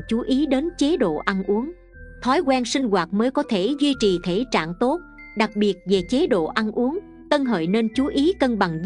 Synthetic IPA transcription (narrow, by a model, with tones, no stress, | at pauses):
t͡ɕu˨˦ʔi˨˦ɗe˨˦nt͡ɕe˨˦ɗo̰˧˨ʔa˧nʔu˨˦əŋ | t̪ʰɔ˨˦jkwɛ˧nsï˧ŋ̟ɣwaː˨˩t̚məː˨˦jkɔ˨˦t̪ʰe˧˩zwi˧t͡ɕi˨˩t̪ʰe˧˩t͡ɕa̰ː˧˨ŋt̪o˦˥t̚ | ɗa˨˩k̚ɓi˨˩ət̚ve˨˩t͡ɕe˨˦ɗo̰˧˨ʔa˧nʔu˨˦əŋ | t̪ə˧nɦə̰ː˧˨jne˧nt͡ɕu˨˦ʔi˨˦kə˧nɓa˨˩ŋz